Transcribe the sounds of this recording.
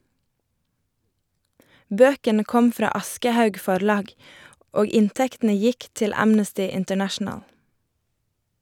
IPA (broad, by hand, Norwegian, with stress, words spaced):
ˈbøːkənə ˈkɔm ˈfɾɑː ˈɑskəˌhɑʉɡ ˈfɔɾˌlɑːɡ ˈoːɡ ˈɪnˌtɛktn̩ə ˈjɪk ˈtɪl ˈæmnəstɪ ɪntəˈnæʃn̩əl